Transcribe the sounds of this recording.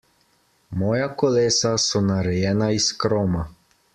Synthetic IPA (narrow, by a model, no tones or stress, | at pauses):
mɔːjakɔleːsasɔnaɾɛjɛːnaiskɾɔma